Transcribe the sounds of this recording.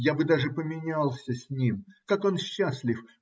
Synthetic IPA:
jabɨd̪aʐɨpəmʲɪnʲalˠsʲəsʲnʲimkako̞nɕːasʲlʲɪf

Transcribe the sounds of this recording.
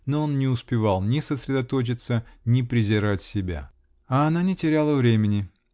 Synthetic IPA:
noonnʲɪʊspʲɪvalˠnʲɪsəsɾʲɪd̪ɐt̪o̞t͡ɕɪt̪sənʲɪpɾʲɪzʲɪɾatʲsʲɪbʲa̰ | ɐːnanʲɪtʲɪɾʲalˠəvɾʲemʲɪnʲɪ

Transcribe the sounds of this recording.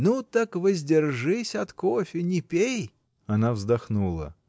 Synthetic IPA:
nut̪akvəzʲdʲɪrʐɨsʲɐt̪kofʲɪnʲɪpʲej | ɐnavzd̪ɐxnulˠə̰

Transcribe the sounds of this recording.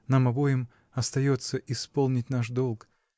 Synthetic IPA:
namɐbo̞jɪm | ɐst̪ɐjo̞t̪sːəʔɪspolˠnʲɪtʲnaʂd̪olˠk

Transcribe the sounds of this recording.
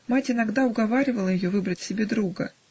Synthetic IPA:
matʲɪnɐɡd̪aʊɡɐvaɾʲɪvəlˠəjɪjovɨbɾətʲsʲɪbʲed̪ɾuɡə̰

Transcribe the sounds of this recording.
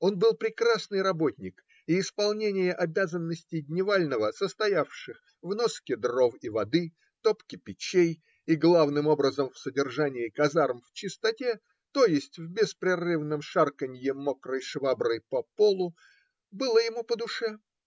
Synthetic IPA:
o̞nbɨlˠpɾʲɪkrasnɨjɾɐbo̞tʲnʲɪk | iːspɐlˠnʲenʲɪjəʔɐbʲazənːəsʲtʲɪjdʲnʲɪvalʲnəvəsəst̪ɐjafʂɨx | vno̞skʲɪd̪ro̞vivɐd̪ɨ | t̪opkʲɪpʲɪt͡ɕej | iɡlˠavnɨmo̞bɾəzəmfsədʲɪrʐanʲɪɪkɐzaɾmft͡ɕɪst̪ɐtʲe | t̪o̞jɪsʲtʲvʲbʲɪspɾʲɪrɨvnəmʂarkənʲjɪmokɾəjʂvabɾəjpɐpo̞lˠʊ | bɨlˠəjɪmupəd̪ʊʂɛ

